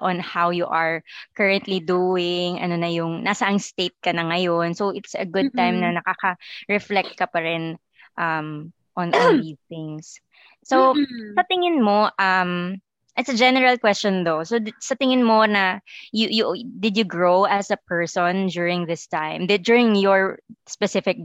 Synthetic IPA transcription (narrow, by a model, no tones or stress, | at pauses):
ʔɔ̃nhawjuʔɐɹkɐɹɛ̃nt̪lid̪uɪŋʔɐ̰nonɐjʊŋnasɐʔɐŋst̪ejt̪̚kɐnɐŋɐjonsowʔɪt̪sɐ̰ɡʊd̪̚t̪ãjmnɐnɐkakɐɹɛflɛk̚t̪̚kɐpɐɾɪn | ʔɐm | ʔɔ̃nʔlðiːsθɪ̃ŋsː | osɐt̪ɪŋɪnmoʔɐm | ʔɪt̪sɐd͡ʒɛnɛɹɐlkwɛst͡ʃɔnd̪ososɐt̪ɪŋɪnmonɐjujʊd̪ɪd̪jʊɡɹowʔɐsɐpɛɹsɔ̃nd͡ʒuɹɪ̃ŋðɪst̪ãjmd̪ɛd͡ʒjuɹɪŋjɔɹspɛsɪfɪk̚